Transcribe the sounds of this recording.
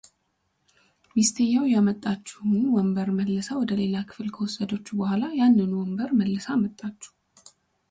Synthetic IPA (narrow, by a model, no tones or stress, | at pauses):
mist̪ʰejːawjamət̪ʼːat͡ʃːɛhʊnwɔmbəɾməlːəsawɔd̪əle̞lakʰɨ̥flkʰəwɔsːəd̪ot͡ʃːubəhʷalajanːɨnuwɔmbəɾməlːəsamət̪ʼːat͡ʃːɛ̥